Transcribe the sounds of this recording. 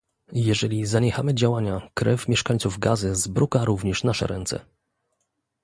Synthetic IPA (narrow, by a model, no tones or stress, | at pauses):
jɛʐɛlʲizaɲɛxamɘd͡ʑawaɲakɾɛfmʲjɛʂkaɲʲtsuvɡazɘzbɾukaɾuvɲɛʂnaʂɛ̰ɾɛnt̪sɛ̰